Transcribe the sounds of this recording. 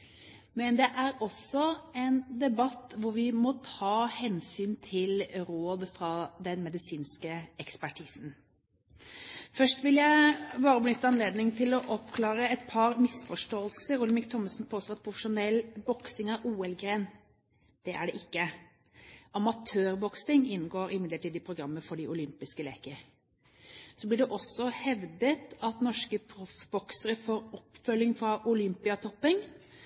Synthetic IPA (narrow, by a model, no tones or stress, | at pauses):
mɛnd̪ɛʔæɾɔsɔɛnd̪ɛbɑt̪ːʋʊɾʋɪmɔt̪ʰɑːhɛnsyːnt̪ʰɪlɾoːd̪fɾɑd̪ɛnmɛd̪ɪsiːnskəɛkspæʈʰiːsn̩ | fœʂʈʋɪljæɪbɑːɾəbənʏt̪ːəɑnleːd̪nɪŋt̪ʰɪlɔʔɔpkʰlɑːɾəɛt̪pʰɑɾmɪsfɔʂʈoːəlssəɾʊləmɪkt̪ʰɔmːəsn̩pʰoːsɔɑt̪̚pʰɾʊfəʂʊnɛlbɔksɪŋɑʔuːɛlɡɾeːn | d̪̥ɛʔæɖɛʔɪkːə | ɑmɑt̪ʰøːɾbɔksɪŋɪnːɡoːɾɪmɪd̪ləʈiːd̪ɪpʰɾʊɡɾɑmːəfɔɖɪʔʊlʏmpɪskəlḛːkəɾ | sɔblɪɖɛʔɔsːɔhɛʋd̪ət̪ɑt̪nɔʂkəpʰɾʊfbɔksəɾəfoːɾɔpːfœlːɪŋfɾɑʔʊlʏmpɪɑt̪ʰɔpːɪŋ